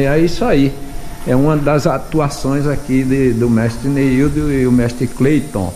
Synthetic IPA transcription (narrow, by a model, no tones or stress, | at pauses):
ɛisaiɛũmɐ̃d̪ɐzat̪uasõj̃zakid̪ɪd̪ʊmɛʃt̪ɾɪneid̪ʊmɛʃt̪ɾɪklejt̪õ̰